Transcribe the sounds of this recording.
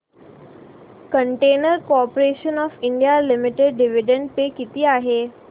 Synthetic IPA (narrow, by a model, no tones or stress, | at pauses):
kəɳʈenəɾkoɔpoɾeɕənɔfiɳɖijalimiʈeɖɖiʋiɖəɳɖ̚pekit̪iːaɦe